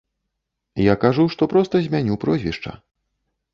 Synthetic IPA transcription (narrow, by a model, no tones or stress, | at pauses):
jakaʐuʂt̪ɔpɾɔst̪ɐzʲmʲanʲupɾɔzʲvʲḭʂt͡ʂɐ̰